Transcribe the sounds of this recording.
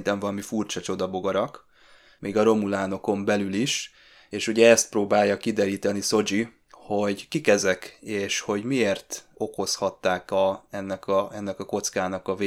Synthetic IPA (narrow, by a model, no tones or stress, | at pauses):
nt̪ɛɱvɒlɒmifurt͡ʃɒt͡ʃo̞d̪ɒbo̞ɡɒɾɒk | mʔeːɡɒɾo̞mulaːno̞ko̞mbɛlyliʃ | eːʃuɟɛɛst̪proːbaːjːɒkid̪ɛɾiːt̪ɛniso̞d͡ʒi | ho̞ɟkikɛzɛkeːʃho̞ɟmieːrt̪o̞ko̞shɒt̪ːaːkɒɛnːɛkɒɛnːɛkɒko̞t̪skaːnɒkɒveː